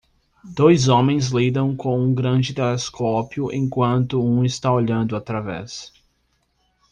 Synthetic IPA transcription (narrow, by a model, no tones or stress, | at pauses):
d̪̥ojzõmẽj̃zlid̪ɐ̃w̃kõw̃ũɡɾɐ̃d͡ʒɪt̪eleskʰopjʊʔḛ̃kwɐ̃nt̪ʊũɪst̪aoʎɐ̃nd̪ʊat̪ɾavɛ̰s